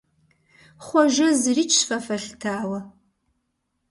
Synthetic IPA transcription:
χʷaʒɐzrit͡ʃʰfafaɬʲtʰaːwa

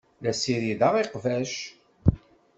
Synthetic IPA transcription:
læsiɾiðɑʁiqvæʃ

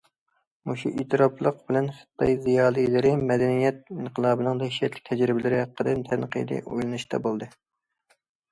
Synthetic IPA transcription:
muʃuʔit̪ʰɨɾɑplˠəq̚bɪlɛnχə̥t̪ːɑjzijɑːlˠijlɪɾɪmɛd̪ɛnijɛt̪̚inqʰəlˠɑːbɨnɨŋt̪ʰɛʃɛt̪lɪ̥k̚ʲt̪ʰɛd͡ʒɾɪbɪlɪɾɪɦæqːəd̪ɨnt̪ʰɛnqʰə̰jd̪ɨ̰ʔo̰jlˠɨnɨʃt̪ʰɛ̰bolˠd̪ɨ

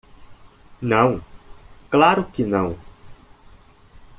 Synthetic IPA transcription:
nɐ̃w̃klaɾʊkɪnɐ̃w̃

